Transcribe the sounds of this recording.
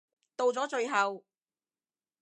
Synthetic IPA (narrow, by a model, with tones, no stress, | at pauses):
t̪o˧wt͡sɔː˨˥t͡ʃɵ˧ɥɦɐ˨w